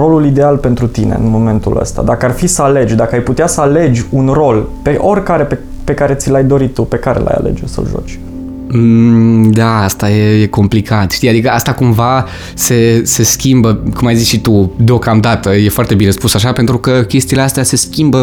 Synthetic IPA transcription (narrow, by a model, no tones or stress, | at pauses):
ro̞lulid̪e̞alpe̞nt̪ɾut̪inḛɨ̰nmo̞me̞nt̪ṵlə̰st̪a̰d̪akəarfisəale̞d͡ʒʲd̪akəajput̪easəale̞d͡ʒʲunro̞lpe̞ʔo̞rʲkaɾe̞pe | pe̞kaɾe̞t̪silajd̪o̞ɾit̪ːupe̞kaɾela̰ja̰le̞̰d͡ʒṵsə̰lʒo̰t͡ʃ | d̪aast̪aje̞je̞ko̞mplikʰat̪ʃt̪ijad̪ikəast̪akumva | se̞se̞skʲimbəkumajzit͡ʃʃit̪ud̪eo̞kamd̪at̪əje̞foart̪e̞bine̞spusaʃape̞nt̪ɾukəkʲe̞st̪iːleast̪ease̞skʲimbə